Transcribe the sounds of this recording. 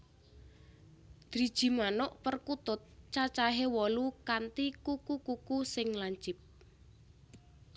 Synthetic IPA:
d̪̥ɾid̥ʒ̥i̤manʊʔpərkut̪ʊt̪̚t͡ʃat͡ʃaɦewɔlukant̪ikukukukusɪŋlaɲt͡ʃɪp̚

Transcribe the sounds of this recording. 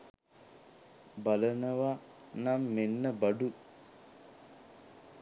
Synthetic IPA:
balənəʋa | namːenːəbɐɖu

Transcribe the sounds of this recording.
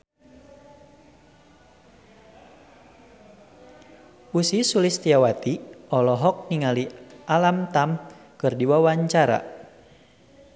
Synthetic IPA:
usisulist̪iawat̪iʔɔlɔɦɔk̚niŋaliʔalamt̪am | kɨrdiwawaɲt͡ʃaɾa̰

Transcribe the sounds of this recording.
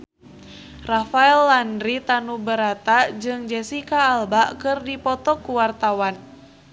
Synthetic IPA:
rafaɛlːandɾit̪anubəɾat̪ad͡ʒɨŋd͡ʒɛsikaːlbaʔkɨrdipɔt̪ɔkuwart̪awan

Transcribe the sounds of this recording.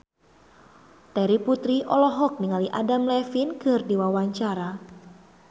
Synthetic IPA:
t̪ɛɾiput̪ɾiʔɔlɔɦɔk̚niŋaliʔadamlɛfinkərdiwawaɲt͡ʃaɾa

